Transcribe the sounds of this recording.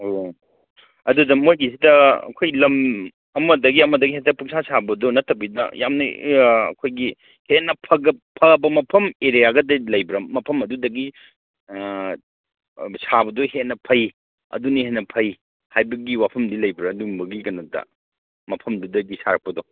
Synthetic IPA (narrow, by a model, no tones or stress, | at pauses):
o | ɐdudɐmojɡisidɐɐ̰kʰojlɐm | ɐmɐdɐɡiɐmɐdɐɡihetɐpuŋsʰasabɐdɔnɐtːɐbidɐ̰ja̰mnɐɐ̰kʰojɡi | heʔnɐpʰɐɡɐpʰɐɐbɐmɐpʰɐmeɾijaɡɐdɐlɐjbɾɐmɐpʰɐmɐdudɐɡi | sabɐdɔhetnɐpʰɐj | ɐ̰dunihenːɐpʰɐj | hajbɐɡiwapʰɐmdilɐjbiɾɐduŋbɐɡikɐnotɐ̰ | mɐpʰɐmdudɐɡisaɾɐk̚pɐdɔ